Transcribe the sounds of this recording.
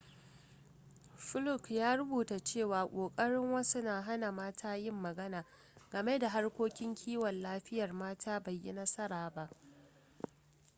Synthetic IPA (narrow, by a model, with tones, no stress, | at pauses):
ɸʊ˦lʊ˦˨kjaː˦ɾʊ˦buː˨ta˨t͡ʃeː˦˨waː˨kʷʼoː˨kʼɐ˦ɽɪ˦ŋwɐ˦su˦naː˨ɦa˦na˨maː˦tʰaː˦jɪ˦mːɐ˨ɡɐ˦naː˨ | ɡ̥ɐ˨me˦da˨ɦa˦rkʷoː˦kʲɪ˦ŋkʲʰiː˦wɐ˨nlaː˦ɸɪ˦jɐ˨rmaː˦tʰaː˦ba˨jːi˦nɐ˦sɐ˦ɾaː˨ba˦ʔ